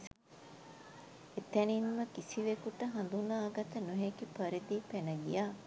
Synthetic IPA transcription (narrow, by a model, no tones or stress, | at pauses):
et̪ænimːɐkisiʋekuʈəɦɐnd̪unaːɡɐt̪ɐnuɦekipɐɾid̪ipenɐɡḭjaː